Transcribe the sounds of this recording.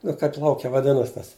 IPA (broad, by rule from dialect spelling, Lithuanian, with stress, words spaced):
ˈnʊ kɐɪp ˈlˠɐʊkʲɛ ʋɐˈdʲɪnɐs tɐs